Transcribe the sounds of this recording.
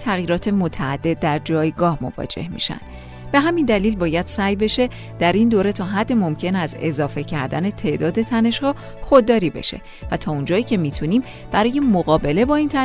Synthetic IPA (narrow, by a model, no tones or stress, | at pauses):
t̪ʰæɣjiːɾɒːt̪ʰe̞mo̞t̪ʰæːd̪̥ːe̞d̪̚ːæɾd͡ʒɒːjɡɒːhmo̞̰vɒ̰ːd͡ʒe̞̰hmḭʃæ̰nd̥̪ | b̥e̞ɦæmind̪æliːlbɒːjæd̪̥sæjbe̞ʃe̞ | d̪̥æɾind̪oːɾe̞t̪ʰɒːɦæd̪ːemo̞mcʰe̞næze̞̰zɒːfe̞cʰæɾd̪æne̞t̪ʰe̞ʔd̪ɒːd̪e̞t̪ʰæne̞ʃhɒː | xo̞d̪ːɒːɾiːbe̞̰ʃe̞̰ | væt̪ʰɒːund͡ʒɒːiːcʰe̞miːt̪ʰuniːm | b̥æɾɒːje̞moɣɒːbe̞le̞bɒːiːnt̪ʰæ